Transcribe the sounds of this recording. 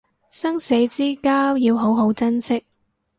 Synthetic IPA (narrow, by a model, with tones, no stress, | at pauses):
sɐ˥ŋse˨˥jt͡siː˥kaː˥wjiː˨˧wɦo˨˥wɦo˨˥wt͡sɐ˥nsɪ˥k̚